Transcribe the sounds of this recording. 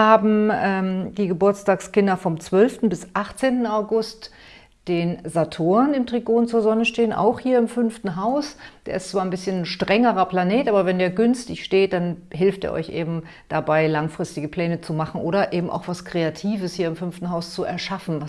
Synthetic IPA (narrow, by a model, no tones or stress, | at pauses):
haːbm̩ɛmd̥iːɡəbʊɐt͡staːkskɪndɐfɔmt͡sv̥œlftn̩bɪsʔaχt͡seːntn̩aʊɡʊst | d̥eːnzatʰoːɐnɪmtʁ̥iɡoːnt͡suːɐzɔnəʃteːənʔa̰ʊxhiːɐɪmfʏnftn̩ɦaʊsd̥ḛːɐɪstt͡sv̥aːɐnbɪsçənʃtʁ̥ɛŋəʁɐpl̥aneːtʔaːbɐvɛndeːɐɡʏnstɪçʃteːt̚d̥anɦɪlftdḛːɐʔɔ̰ʏçʔeːbm̩ | d̥abaɪlaŋfʁ̥ɪstɪɡəpʰl̥ɛːnət͡sumaχn̩ʔoːɾɐʔeːbm̩ʔa̰ʊxv̥askʁ̥eatʰiːvəshiːɐɪmfʏnftn̩ɦaʊst͡suʔɛɐʃafn̩va